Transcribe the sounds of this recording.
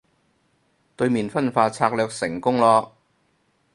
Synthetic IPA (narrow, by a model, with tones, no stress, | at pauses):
t̪ɵ˧ɥmiː˨˩nfɐ˥nfaː˧t͡sʰaː˧k̚lœː˧k̚sɪ˨˩ŋkʊ˥ŋlɔː˧